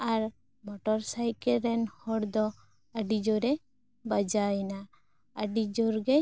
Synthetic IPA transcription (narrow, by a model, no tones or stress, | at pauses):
aɾ | mɔʈɔɾsajkɛɾɛnhɔɽd̪ɔ | əɖid͡ʒɔɾɛ | bad͡ʒajna | əɖid͡ʒɔɾɡɛ